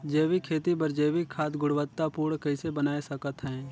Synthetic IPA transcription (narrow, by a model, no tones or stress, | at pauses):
d͡ʒeːʋikʰeːt̪ibəɾd͡ʒeːʋikkʰːaːt̪ɡʊɽʋət̪ːapuːɽkəɪsebənaːesəkət̪ɦɛ̃ː